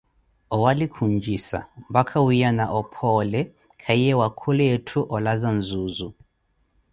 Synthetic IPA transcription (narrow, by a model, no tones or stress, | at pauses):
ɔwalikʰuɲd͡ʒisa̰m̩bakʰawijanaʔɔpʰɔlɛ | kʰaiɛwakʰulɛɛtʰuʔɔlazanzuzu